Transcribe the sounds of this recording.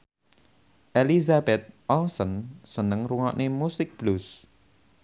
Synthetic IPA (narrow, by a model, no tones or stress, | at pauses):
ʔelizabɛt̪̚ʔɔlsɔnsənəŋruŋɔ̰ʔnemusɪk̚b̥lus